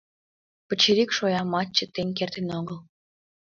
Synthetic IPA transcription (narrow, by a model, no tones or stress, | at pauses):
pə̆t͡ɕeɾikʃojɑmɑt͡ɕːə̆t̪eŋʲk̬ert̪enoɣəl